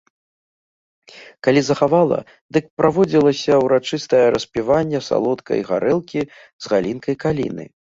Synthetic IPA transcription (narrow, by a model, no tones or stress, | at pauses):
kalʲizɐxavalˠɐ̰ | d̪ɨk̚pɾavɔd͡zʲilˠɐsʲɐwɾat͡ʂɨst̪ɐjɐɾɐspʲivanʲːɛsa̰lˠɔt̪kɐ̰jɣa̰ɾɛlˠkʲi | zɣalʲinkɐjkalʲḭnɨ̰